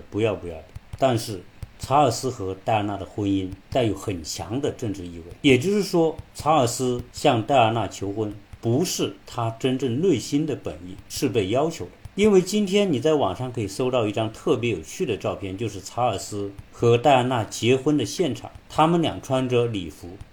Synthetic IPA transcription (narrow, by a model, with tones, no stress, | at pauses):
pu˧˥jɑ˥˩ʊpu˧˥jɑ˥˩ʊd̪ə˧t̪a˥˧nʂɻ̩˥˩t͡sʰa˧˥ə˞˨˩sɹ̩˥xɤ˧˥t̪a˥˩ɪ˞˧˥˧na˥˩d̪ə˩xwə˥ni˥nt̪a˥˩ɪjo˧˥ʊxə˨˩nt͡ɕʰjɑ̰˧˥ŋd̪ə˧ʈ͡ʂɤ˥˧ŋʈ͡ʂɻ̩˥˧i˥˧we˥˩ɪjɛ˨˩t͡ɕjo˥˧ʊʂɻ̩˥˩ʂwɔ˥t͡sʰa˧˥ə˞˨˩sɹ̩˥ɕjɑ˥˧ŋt̪a˥˧ɪə˞˥˧˥na˥˩t͡ɕʰjo˧˥ʊxwə˥npu˧˥ʂɻ̩˥˩t̪ʰa˥ʈ͡ʂə˥nʈ͡ʂə˥˧ŋlwe˥˩ɪɕi˥nd̪ə˨pə̰˨˩ni˥˧ʂɻ̩˥˧pe˥˩ɪjɑ˥ʊt͡ɕʰjo˧˥ʊd̪ə˧i˥nwe˥˩ɪt͡ɕi˥nt̪ʰjɛ˥nni˨˩t͡sa˥˩ɪwɑ˨˩ŋʂɑ˥˩ŋkʰɤ˧˥i˨˩so˥ʊt̪ɑ˥˧ʊi˥˩ʈ͡ʂɑ˥ŋt̪ʰɤ˥˩p̬jɛ˧˥jo˨˩ʊt͡ɕʰy˥˩d̪ə˩ʈ͡ʂɑ˥˧ʊpʰjɛ˥˧nt͡ɕjʊʂ̬ɻ̩˥˩t͡sʰa˧˥ə˞˨˩sɹ̩˥xɤ˧˥t̪a˥˧ɪa˥na˥˩t͡ɕjɛ˧˥xwə˥nd̪ə˨ɕjɛ˥˩nʈ͡ʂʰɑ̰˨˩˦ŋt̪ʰa˥mə˨nljɑ̰˨˩ŋʈ͡ʂʰwa˥nʈ͡ʂɤ˥li˨˩fu˧˥